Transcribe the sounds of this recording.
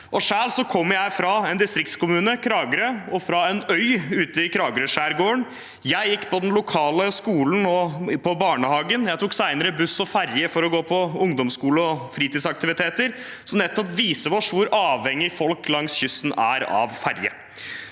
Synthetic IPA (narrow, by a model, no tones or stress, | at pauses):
ʔɔʂæːlsɔkʰɔmːɾjæɪfɾɑɛnd̪ɪst̪ɾɪk̚t̪skʊmʉːnəkʰɾɑːɡəɾəɔfɾɑɛnœʏʉːt̪əɪkʰɾɑːɡɾøʂæːɾɡoːəɳ | jæɪjɪkːpʰɔd̪ɛnlʊkʰɑːləskuːln̩ɔpʰɔbɑːɳəhɑːɡənjæɪt̪ʰuːksæɪnəɾəbʉsɔfæɾjəfɔɾɔɡoːpʰɔʊŋd̪ɔmskuːləɔfɾiːt̪iːsɑkt̪ɪʋɪt̪ʰeːt̪əɾ | sɔnɛt̪ːɔpʋiːsəʋɔʂʋʊɾʔɑːʋhɛŋːɪfɔlklɑŋsçʏsnæ̰ɾɑ̰ʋfæɾjə̰